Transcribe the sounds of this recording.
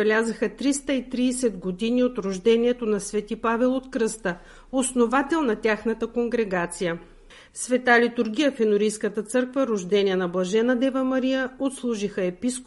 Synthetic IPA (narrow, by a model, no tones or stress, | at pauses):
ɛlʲazəxət̪ɾist̪əit̪ɾiːsɛd̪ɡod̪iniot̪ɾoʒd̪ɛniɛt̪onɐsvɛt̪ipavɛlˠot̪kɾɤst̪ə | osnovat̪ɛlˠnɐt̪ʲaxnət̪əkoŋɡɾɛɡat̪sijə | svɛt̪alit̪ʊɾɡ̟ʲijəfɛnʊɾijskət̪ət̪sɤɾkvəɾoʒd̪ɛniɛnɐblˠɐʒɛnɐd̪ɛvəmɐɾijəot̪slˠuʒixəɛpisk